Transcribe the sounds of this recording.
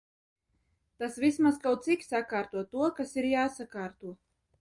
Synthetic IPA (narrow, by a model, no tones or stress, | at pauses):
t̪asvismaskawt̪sikʲsakaːɾt̪uɔt̪uɔkasiɾjaːsakaːɾt̪uɔ